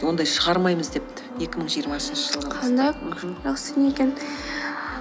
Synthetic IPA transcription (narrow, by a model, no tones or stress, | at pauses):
wo̞nd̪ɑjʃəʁɑɾmɑjməzd̪e̞p̚t̪ɪ̥e̞kʲɪməɴʒijəɾmɑsənʃəʒəqʰɑnd̪ɑləqsənekʲen